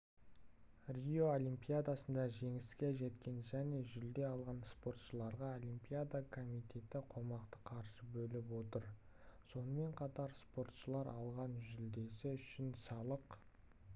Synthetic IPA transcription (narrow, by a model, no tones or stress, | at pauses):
rʲijo̞olimpijad̪asənd̪ɑʒe̞ŋɪskʲe̞ʒe̞t̪kʲe̞nʒæne̞ʒʏld̪e̞ɑlˠʁɑnspo̞ɾt̪ʃəlˠɑɾʁɑolʲimpijad̪akʰo̞mit̪ʲʰe̞t̪ɪqʰo̞mɑqt̪əqʰɑɾʃəbɵlɪpwo̞t̪əɾ | so̞nəme̞ɴqʰɑt̪ɑɾspo̞ɾt̪ʃəlˠɑɾʔɑlˠʁɑnʒʏld̪e̞sɪʏʃɪnsɑlˠəq